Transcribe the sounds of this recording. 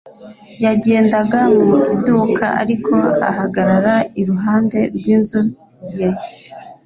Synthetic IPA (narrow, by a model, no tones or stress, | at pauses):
jaɟe̞ːndaɡamuiduːkʰa̰a̰ɾikʰo̞a̰ɦaɡaɾaɾaiɾuɦaːnde̞ɾɡwiːnzu | je